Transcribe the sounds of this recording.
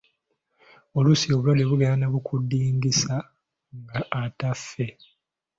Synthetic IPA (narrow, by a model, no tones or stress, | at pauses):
o̞lusio̞βulaleβuɡaanaβukʰudːiːŋɡisa | ŋɡaʔːtafːe̞